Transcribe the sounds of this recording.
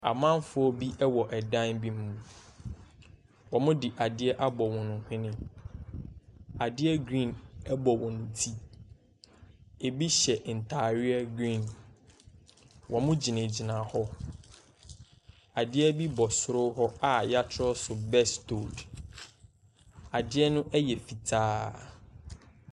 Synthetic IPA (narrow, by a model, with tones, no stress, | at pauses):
a̰˨mã˦n˦fʊ˦ɔ˦bi˦ʔɛ˦wɔ˨ʔɛ˨dã˦nbi˦m̩˦mːũ˨˦ | wɔ˨mʊ̃˦dɪ˨ʔa˨dɪ˦ɛ˦ʔa˦bɔ˨wɔ̃˨nʊ̃˨hɪ̃˦nɪ̃˦ | a˨dɪ˦ɛ˦ɡɾĩ˦˨nɛ˦bɔ˨wɔ̃˨n̩˨tʰi˦ | e˨bi˦ɕɛ˨ʔn̩˨tʰaː˨ɾɪ˦ɛ˦ɡɾĩ˦˨n | wʔɔ˨mʊ̃˦d͡ʑi˨nẽ˨d͡ʑi˨nã˨hɔ˦ | a˨dɪ˦ɛ˦bi˦bɔ˨sʊ˨ɾʊ˦hɔ˦a˨ja˦t͡ɕʰɪ˦ɾɔ˦sʊ˨bɛ˦stʰo˨d | a˨dɪ˦ɛ˦nʊ̃˦ʔɛ˦jɛ˨fi˨tʰaː˦